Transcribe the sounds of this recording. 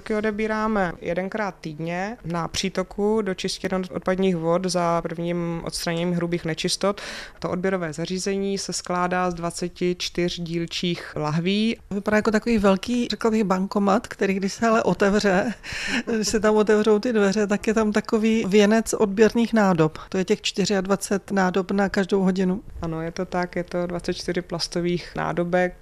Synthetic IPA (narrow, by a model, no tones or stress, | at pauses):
akɪodɛbiːɾaːmɛjɛ̰dɛnkɾaːt̪ːiːdɲɛnapr̝̥iːt̪okʰudot͡ʃɪscɛdnoʔo̰t̪̚padɲiːxvot̪zapr̩vɲiːmʔo̰t̪st̪ɾaɲɛɲiːɦɾubiːxnɛt͡ʃɪst̪ot̪t̪oʔod̚bjɛɾovɛːzariːzɛɲiːsɛsklaːdaːzdvat͡sɛcɪt͡ʃt̪ɪr̝ɟiːlt͡ʃiːxlaɦviːvɪpadaːjako̞t̪akoviːvɛlkiːrɛklabɪɣbaŋkomat̪kt̪ɛɾiːɡdɪʃsɛalɛʔo̞t̪ɛvrɛ | ɡdɪʃsɛt̪̬amʔo̞t̪ɛvro̞wt̪ɪdvɛrɛt̪akjɛt̪amt̪ako̞viːvjɛnɛt͡sʔo̞d̚bjɛɾniːxnaːdopt̪ojɛcɛxt͡ʃt̪ɪr̝ɪadvat͡sɛt̪naːdopnakaʒdowɦo̞ɟɪnuʔanojɛt̪ot̪akjɛt̪o̞dvat͡sɛt̪t͡ʃt̪ɪrɪplast̪oviːxna̰ːdobɛk̚